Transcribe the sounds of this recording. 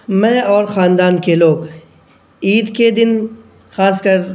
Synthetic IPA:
mɛ̃ːɔːɾxaːnd̪aːnkeloːɡ | iːd̪ked̪ɪn | xaːs̬kɐɾ

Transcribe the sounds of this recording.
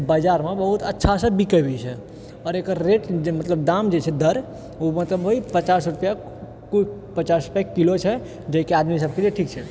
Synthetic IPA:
bad͡ʒaɾmebəɦut̪ətːʃʰasə̃bikəbit͡ʃʰɛ | ɔːɾekəɾɾeʈmət̪ləbd̪amd͡ʒet͡ʃʰɛd̪əɾ | omət̪ləbɦoipət͡ʃasɾupja | kupət͡ʃasɾupjakilot͡ʃʰɛ | d͡ʒəkead̪mis̬əb̚kelieʈʰikt͡ʃʰɛ

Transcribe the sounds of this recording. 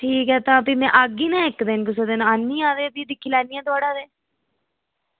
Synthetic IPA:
ʈʰiːkɦɛːt̪ãːpiːmɛ̃ːʔəɡiːnãːɪkd̪ɪnkʊs̬od̪ɪnãanːiːãːd̪eːəpiːd̪ɪkʰːiːlɛːniːjãːt̪ʊaːɽaːd̪eː

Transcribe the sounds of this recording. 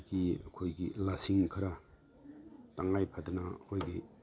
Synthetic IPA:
ɡiɐkʰojɡilasiŋkʰɐɾa | taŋajpʰadɐnɐkʰojɡi

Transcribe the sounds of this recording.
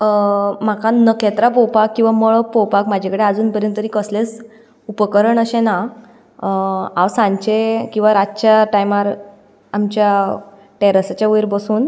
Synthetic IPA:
m̤akanəkɛt̪ɾap̬ɔwpakːĩw̃ʋaməɭpɔwpakmad͡ʑʱekəɽead͡zuːnpəɾjənt̪t̪əɾiːkəsles | upəkəɾəɳəɕẽna | awsãɲt͡ɕekĩw̃ʋaɾad͡zt͡ɕjaʈajmaɾ | amt͡ɕja | ʈeɾasat͡ɕjaujɾbəsuːn

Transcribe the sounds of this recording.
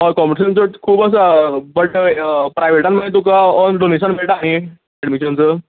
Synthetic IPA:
ɔkɔməɾɕənt͡səkʰuːbəs̬abəʈpɾajʋeʈãnmənːet̪ukaɔnɖoneɕənmeɭʈaaɽ̃i | ɛɖmiɕənt͡sə

